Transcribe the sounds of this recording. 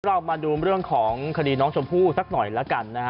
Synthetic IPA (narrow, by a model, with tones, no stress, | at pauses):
ɾa˧˩wmaː˧duː˧ɾɯ˥˩əŋkʰɔː˩˦ŋŋkʰa˧diː˧nɔː˦˥ŋt͡ɕʰo˧mpʰuː˥˩sa˦˥k̚nɔ˨˩jlɛ˦˥ka˧nːa˦˥˦